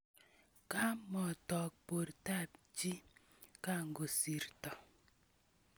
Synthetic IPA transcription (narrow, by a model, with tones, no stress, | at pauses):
ka˦mɔ˨tɔ˨k̚po˨ɾta˦˨pd͡ʒi˦ | ka˦ŋɡo˨si˨ɾtɔ˨